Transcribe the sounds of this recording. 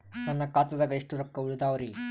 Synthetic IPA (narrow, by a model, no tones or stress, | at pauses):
t̪ɐnːɐkaːt̪ɐðɐɡeʂʈuɾɐkːɐuɭud̪aːʋɐɾi